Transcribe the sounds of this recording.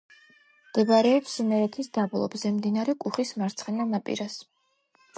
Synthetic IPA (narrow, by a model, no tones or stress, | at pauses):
md̪̥ɛbaɾɛɔpsnɛɾɛt̪ʰisd̪ablˠɔ̰bzɛmd̪inaɾɛkʼuχismaɾt̪sʰχɛnalˠnapʼḭɾas